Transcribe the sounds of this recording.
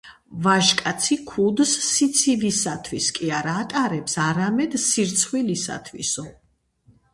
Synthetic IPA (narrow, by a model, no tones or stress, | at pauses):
vaʃkʼat̪sʰikʰud̪sːit̪sʰivisat̪ʰwiskʼiaɾaːt̪ʼaɾɛpsaɾamɛd̪siɾt̪sʰχwilisa̰t̪ʰwḭsɔ